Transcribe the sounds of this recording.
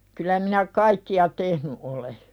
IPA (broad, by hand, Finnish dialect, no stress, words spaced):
kylæ minæ kɑikːiɑ tehny ʔole